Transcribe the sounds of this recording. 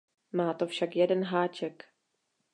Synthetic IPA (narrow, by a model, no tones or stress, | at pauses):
maːt̪o̞fʃakjɛdɛnɦaːt͡ʃɛk